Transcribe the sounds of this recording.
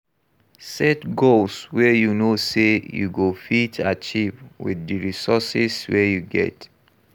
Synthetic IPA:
sɛtɡolswɛjunosejṵɡofitʰat͡ʃivwḭðdiɹisɔsiswɛjuɡɛ̰t

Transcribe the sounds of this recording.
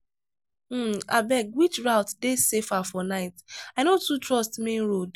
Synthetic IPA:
a̰bɛkwit͡ʃɹaʊtdesefafɔnaɪtaɪnotutɹɔstmẽnɹod

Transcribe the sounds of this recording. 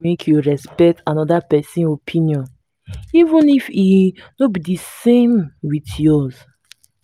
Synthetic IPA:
ekʰjuɹɛspɛk̚tʰanɔdapɛsĩnopʰĩniɔ̃n | ivũnifinobidisẽmwitjɔz

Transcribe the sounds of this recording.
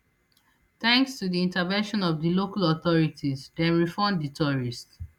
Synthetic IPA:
θɛ̃ŋkstudiĩntavɛ̃nʃɔ̃nɔvdilokalɔθɔɹitʰizdɛ̃nɹifɔmditʰɔɹist

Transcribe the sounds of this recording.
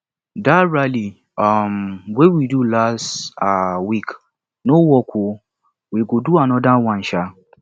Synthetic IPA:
daɹali | mwewidulastawik | nowɔkʰʷu | wiɡoduanɔ̃dawãn̩ʃa

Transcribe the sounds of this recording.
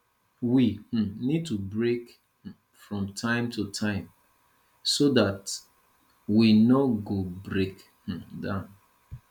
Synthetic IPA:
wih̩nid̚tubɹek | fɹɔ̃mtʰãɪ̃mtʰutʰãɪ̃m | sodat | winɔɡobɹek | h̩dãʊn

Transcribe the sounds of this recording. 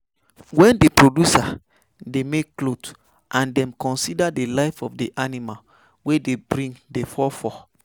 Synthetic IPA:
wɛ̃ndepɹodusa | demekːlot | ʔãndɛ̃mkɔ̃nsidadelaɪfɔfdeʔanimal | wedebɹĩŋdefɔfɔ

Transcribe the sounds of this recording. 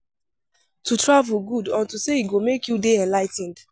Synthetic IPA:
tʰutʰɹavl̩ɡudãntuseiɡomekjudeɛ̃nlaɪtn̩d

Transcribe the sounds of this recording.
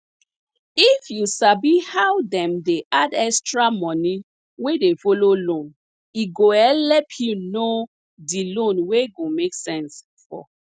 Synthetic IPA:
ifjusabihawdɛ̃mdeʔadɛstɹamɔ̃ni | wedefololõn | iɡoɛlɛpʰjuno | dilõnweɡomeksɛ̃ns | fɔ̰

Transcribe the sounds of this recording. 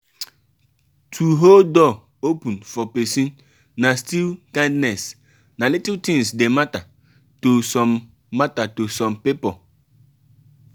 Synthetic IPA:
tʰuɦodɔ | opũnfɔpesin | nastilkãɪ̃ndnɛs | nalitɪtĩŋsdemata | tosɔmː | atatosɔmpipɔ

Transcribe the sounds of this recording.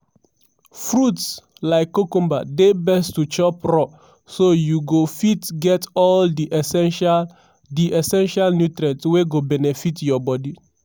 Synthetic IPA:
fɾuts | laɪkːokũmbadebɛstut͡ʃɔpɾɔ | sojuɡofitɡɛtɔldiʔɛsɛʃ | diʔɛsɛ̃nʃalnutɾɛ̃tsweɡobɛnefitjɔbɔdi

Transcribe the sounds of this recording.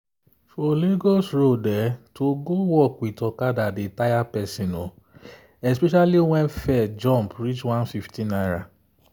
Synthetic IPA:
fɔleɡosɾodɛtoɡowɔkitɔkadadetajapɛsĩnõ | ɛspɛʃaliw̃ɛ̃nfɛd͡ʒɔ̃mpɾit͡ʃwãnfiftĩnaɾa

